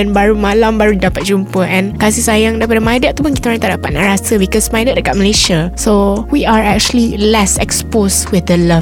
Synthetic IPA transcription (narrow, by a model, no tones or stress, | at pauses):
ɛnbaɾumãlambaɾudapat̪̚d͡ʒumpəɛ̃nkas̬isajaŋdaɾipadəmajdət̪̚t̪ːupʊnkit̪aɾãnt̪aʔdapat̪̚na̰ʔɹasəbikɔsmajdət̚dəkat̪̚məleʃasowiaɹɛk̚t͡ʃuəlilɛsɛksposwiθdəla